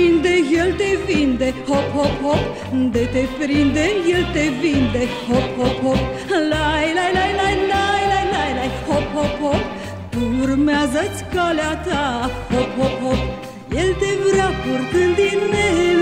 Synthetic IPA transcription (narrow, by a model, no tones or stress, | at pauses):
ind̪ejelt̪evind̪ehophopɦop | ɨnd̪et̪epɾind̪ejelt̪evind̪ehophophop | lajlajlajlajlajlajlajlajhophophop | t̪uːrmeazət̪sʲkaleat̪ahophophop̚ | jelt̪evɾapurt̪ɨnd̪inːe